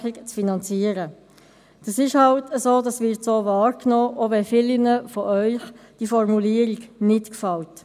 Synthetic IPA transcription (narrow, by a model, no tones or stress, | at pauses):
ikt͡sfinɑnt͡siəɾə | d̥ɑsɪʃhɑltəsoːdɑsʋɪɾtsoːvɑːɾknoːʔovɛfɪlinəfɔʔœʏχd̥ifɔrmuliːəɾiɡnɪtkfɑlt